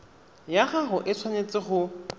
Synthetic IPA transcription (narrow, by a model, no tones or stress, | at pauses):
jaχaχʊʔɪt͡sʰwanet͡sʼɪχʊ